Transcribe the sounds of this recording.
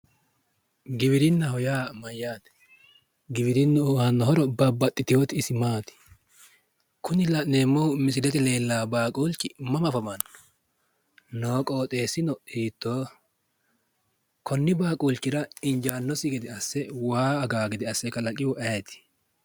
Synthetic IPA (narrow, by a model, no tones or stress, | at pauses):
ɡɪβɪɾɪnːɐhɔjaːmɐjːaːt̪ɛ̥ | ɡɪbɪɾɪnːʊhɐnːɔɦɔɾɔbɐbːɐt̪ʼːɪt̪ɪjoːt̪ɪːsɪmaːt̪ɪ̥ | kʰʊnɪlɐneːmːɔmɪs̬ɪdɛt̪ɛle̞ːlːaːbaːkʼuːlt͡ʃːɪmɐmɐfɐmɐnːɔ̥ | no̞ːkʼo̞ːt̪ʼe̞ːsɪnɔiːt̪ːoː | kɔnːɪbaːkʼuːlt͡ʃːɪɾɐɪnd͡ʒaːnːɔsɪɡɛd̪ɪɐsːɛwaːɐɡaːɡɪd̪ɪɐsːɛkɐlɐkʼɪwʊʔɛɛt̪ɪ̥